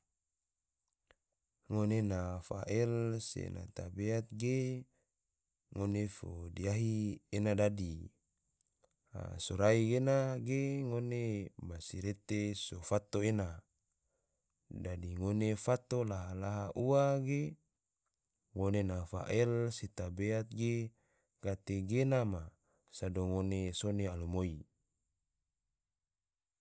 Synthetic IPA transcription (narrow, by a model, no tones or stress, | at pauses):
ŋonenafa̰ʔɛlsḛna̰t̪abeat̪̚ɡe | ŋonefodiaɦienadadi | a̰soɾaiɡenaɡeŋonemasiɾet̪esofat̪oena | dadiŋonefat̪olaɦalaɦaʔuaɡe | ŋonenafa̰ʔelsit̪abeat̪̚ɡe | kat̪eɡenama | sadoŋonesonealumoi